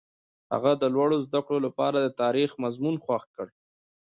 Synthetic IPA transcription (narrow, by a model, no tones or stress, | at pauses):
ha̰ɣad̪əlwaɽozd̪akɽolapɑ̰ɾad̪ət̪ɑɾixmazmunxwaxkəɽ